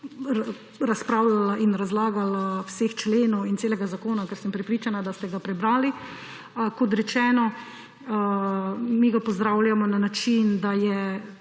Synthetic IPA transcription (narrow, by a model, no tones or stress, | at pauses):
ɾaspɾaːwlalaʔinɾazlaːɡalawseːxt͡ʃleːnɔwinseːlɛɡazakoːnakɛɾsəmpɾɛpɾit͡ʃanad̪ast̪ɛɡapɾɛbɾaːli | kɔt̪ɾɛt͡ʃɛːnɔ | miɡapɔzd̪ɾawljamɔnanat͡ʃind̪ajɛ